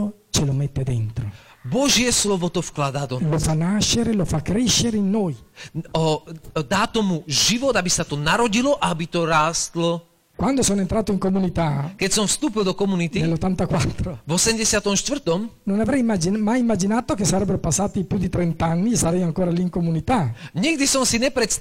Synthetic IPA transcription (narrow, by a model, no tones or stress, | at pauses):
o | t͡ʃelomet̪ːed̪ent̪ɾo̰bɔʒjɛslɔvɔt̪ɔfklad̪ad̪ɔlofanːaʃːeɾelofakːɾɛʃːeɾeinːoːjɔd̪aːt̪ɔmuʒiʋɔd̪abisat̪ɔnaɾɔɟilɔʔabit̪ɔɾaːst̪lɔ | kwand̪osoːnoent̪ɾaːt̪oiŋkomunit̪akɛcsɔmfst̪uːpild̪ɔkɔmunit̪inelːot̪ːant̪akwat̪ːɾovɔsɛmɟɛsɪat̪ɔmʃt̪vr̩t̪ɔmnonavɾɛjmad͡ʒimajimːad͡ʒinaːt̪ok̟esːaɾɛbːeɾopasːaːt̪ipjud̪it̪ɾɛnt̪anːisaɾɛjaŋkoːɾaliːŋkomunit̪aɲiɡd̪isɔmsiɲɛpɾɛt̪s